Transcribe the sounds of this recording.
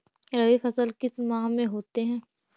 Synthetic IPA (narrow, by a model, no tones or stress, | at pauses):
ɾɐʋifɐsəlkɪsmaːɦmẽɦoːt̪eɦɛ̃ː